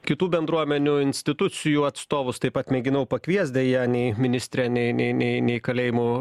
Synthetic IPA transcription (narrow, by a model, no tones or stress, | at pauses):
kʲɪt̪uːbʲɛnd̪ɾuɔmʲɛnʲʊɪnʲsʲt̪ʲɪt̪ʊsʲɪjuːɐt̪st̪oːʋʊst̪ɐɪpɐt̪mʲɛɡʲɪnɐʊpɐkʋʲiɛsʲd̪ʲɛjɛːnʲɛɪmʲɪnʲɪsʲt̪ʲɾʲɛnʲɛɪnʲɛɪnʲɛɪnʲɛɪkɐlʲeːjɪmu